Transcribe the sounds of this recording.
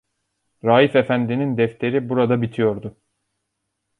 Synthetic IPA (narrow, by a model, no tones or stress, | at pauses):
ɾaːjife̞fænd̪inind̪ɛft̪ʰe̞ɾibuɾad̪abit̪ʰijo̞ɾd̪ʊ